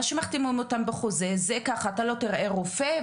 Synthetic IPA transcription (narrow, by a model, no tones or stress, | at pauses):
aʃemaχt̪imumotambeχuzezekaχaːtalo̞t̪iʁʔe̞ʁufe